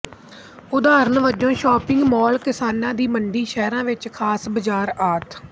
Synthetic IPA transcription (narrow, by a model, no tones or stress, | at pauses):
ʊd̪aːɾənʋəd͡ʒõːʃɔːpɪ̃ŋɡmɔːlkɪsaːnãːd̪iːməɳɖiːʃɛːɾãːʋɪt͡ʃkʰaːsbəd͡ʒaːɾaːt̪ʰ